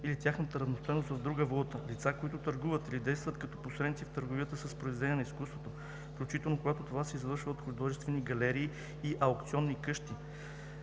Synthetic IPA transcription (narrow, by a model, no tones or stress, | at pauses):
ilit̪ʲjaxnət̪əɾɐvnost̪ɔjnost̪vɐvd̪ɾuɡəvolˠut̪əlit̪sakoit̪ʊt̪əɾɡuvət̪ilid̪ɛjst̪vət̪kɐt̪ɔ̥posɾɛd̪it̪sift̪əɾɡovijət̪əsəspɾoizd̪lɛnijəniskust̪vot̪o | fklʲut͡ʃit̪ɛlˠnokoɡat̪ot̪ovasɛizvɤɾʃvəot̪xʊd̪ɔʒɛst̪vɛniɡɐlɛɾiː | ʔɐokt̪siɔnːikɤʃt̪i